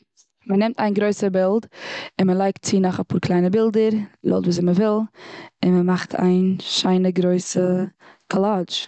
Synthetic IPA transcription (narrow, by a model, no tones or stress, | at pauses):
mənɛmtaɪnɡɾoɪsəbɪlˠtɪnməlˠaɪktt͡sinɔχapʰuːɾklˠaɪnəbɪlˠdəɾlo̰lˠtvuːs̬ɪməvɪlˠɪnməmaχtʰa̰ɪnʃaɪnəɡɾoɪsə | kʰɔlˠaːd͡ʒ